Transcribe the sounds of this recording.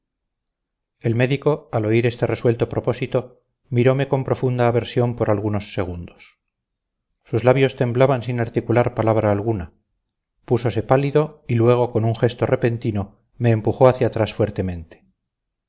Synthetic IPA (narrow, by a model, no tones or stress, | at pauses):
elme̞ðiko̞alo̞iɾe̞st̪e̞re̞swe̞lt̪opɾopo̞sit̪o̞ | miɾo̞me̞ko̞mpɾo̞fund̪aːβe̞ɾsjo̞mpo̞ɾalɣuno̞sːe̞ɣ̞und̪os | uzlaβjo̞st̪e̞mblaβansinaɾt̪ikulaɾpalaβɾaːlɣ̞una | puso̞se̞paliðo̞ilwe̞ɣ̞o̞ko̞nuŋxe̞st̪o̞repe̞nt̪ino | me̞ːmpuxo̞aθjat̪ɾasfwe̞ɾt̪e̞mẽ̞nt̪e̥